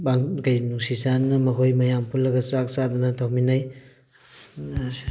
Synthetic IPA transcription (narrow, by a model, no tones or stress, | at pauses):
baŋɡajnusisanːɐmɐkʰojmɐjampʰulːɐɡɐsak̚sad̪unɐtʰawminaj